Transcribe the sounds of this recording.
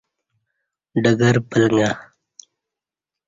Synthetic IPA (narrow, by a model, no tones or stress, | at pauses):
ɖəɡəɾpəlŋɡa